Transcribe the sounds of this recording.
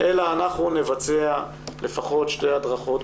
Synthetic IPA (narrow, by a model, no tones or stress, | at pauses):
ʔelaːnaχnunevat͡sea | le̞faχo̞tʃtejad̪ʁaχo̞t